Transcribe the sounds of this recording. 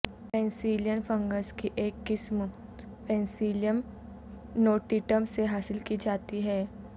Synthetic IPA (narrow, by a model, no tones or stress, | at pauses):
pɛ̃ːnsiːljənpʰə̃ŋɡəskiʔeːkːɪsm | pɛ̃ːnsiːljəm | noːʈiːʈəmseɦaːsɪlkid͡ʒaːt̪iɦɛː